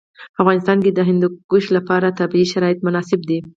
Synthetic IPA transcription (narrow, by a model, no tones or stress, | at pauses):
afvɣɑnɪs̬t̪ɑnked̪əɦɪnd̪uɡ̥uʃlapɑɾat̪abiiʃaɾɑɪt̪̚mʊnɑsɪb̚d̪i